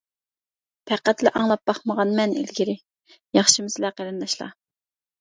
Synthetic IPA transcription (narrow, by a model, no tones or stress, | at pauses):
pʰæqːæt̪lɪʔɑŋlˠɑp̚b̥ɑχməʁɑnmɛnḭlɡʲiɾɪ | jɑχʃimɪsɪlæqeɾɨnd̪ɑʃlˠɑ̰